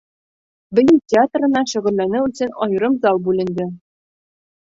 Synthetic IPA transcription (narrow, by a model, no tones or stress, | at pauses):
bɘ̆jɘntʲɪat̪rɤ̆nɑʃɵ̆ʁɵ̆lːænɘɵsɘnɒjɤ̆ɾɤmzɑlˠbʉlɘ̆nd̪ɘ